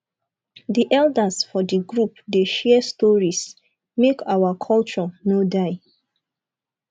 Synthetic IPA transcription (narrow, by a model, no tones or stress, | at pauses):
diʔɛldəsfɔdiɡɹupdeʃɛstɔɹis | mekʰawakʰɔlt͡ʃɔnodaɪ